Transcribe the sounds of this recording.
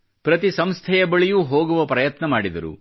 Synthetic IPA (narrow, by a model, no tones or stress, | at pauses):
pɾɐt̪isɐmst̪ʰɛjɐbɐɭijuɦoːɡuʋɐpɾɐjɐt̪nɐmaːɽid̪ɐɾṵ